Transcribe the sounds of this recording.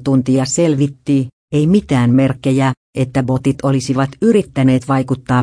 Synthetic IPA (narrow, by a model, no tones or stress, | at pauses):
t̪unt̪iɑse̞lʋit̪ːi | eimit̪æːmme̞rkːejæ | ʔet̪ːæbo̞t̪it̪olisiʋɑt̪yɾit̪ːæne̞ːt̪ʋɑjkut̪ːɑː